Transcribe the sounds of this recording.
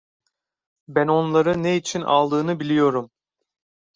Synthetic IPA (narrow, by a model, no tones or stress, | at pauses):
bæno̞nlˠaɾɯneit͡ʃʰina̰lˠd̪ɯːnɯbilʲijo̞ɾum